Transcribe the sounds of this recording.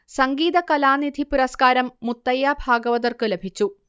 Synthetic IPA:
sɐŋɡiːðɐkɐlaːnid̪ʱipuɾɐskaːɾɐmːut̪ːɐjːaːbʱaːɡɐʋɐðɐrkɨlebʱit͡ɕːu

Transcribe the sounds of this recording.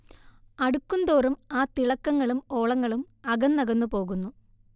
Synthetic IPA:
ɐɽukːund̪oːrumaːt̪iɭɐkːɐŋːɐɭumo̞ːɭɐŋːɐɭum | ɐɣɐnːɐɣɐnːupo̞ːɣunːu

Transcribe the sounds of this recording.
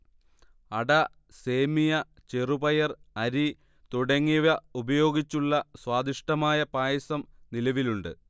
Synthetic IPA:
ɐɽɐ | se̞ːmijɐ | t͡ɕe̞rubɐjɐrɐɾi | t̪uɽɐŋːiʋɐubɐjo̞ːɡit͡ɕːuɭːɐswaːd̪iʂʈɐmaːjɐpaːjɐsɐmnilɐʋiluɳɖɨ̰

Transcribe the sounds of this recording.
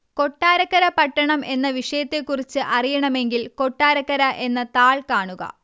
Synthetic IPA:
ko̞ʈːaːɾɐkːɐɾɐpɐʈːɐɳɐme̞nːɐʋiʂɐjɐt̪ːekːurit͡ɕːɨʔɐrijɐɳɐme̞ŋɡilko̞ʈːaːɾɐkːɐɾɐʔe̞nːɐt̪aːɭkaːɳuɣɐ̰

